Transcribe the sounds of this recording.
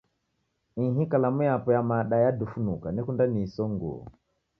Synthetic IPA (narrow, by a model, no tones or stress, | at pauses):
iɦikalamujapɔjamaɗajadufunukanɛkundanisɔŋɡṵɔ̰